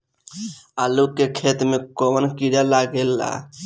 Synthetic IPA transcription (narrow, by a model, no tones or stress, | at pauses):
alukːekʰet̪mekɔmənkiɾalaɡelːa̰